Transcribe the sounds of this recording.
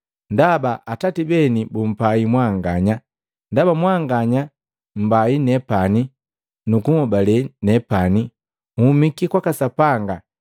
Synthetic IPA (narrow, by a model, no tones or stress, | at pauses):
ndabaʔatatibɛnibum̩paimwaŋɡaɲa | ndabamwaŋɡaɲa | m̩bainɛpani | nukuŋɔbalɛnɛpani | umikikwakasapaŋɡa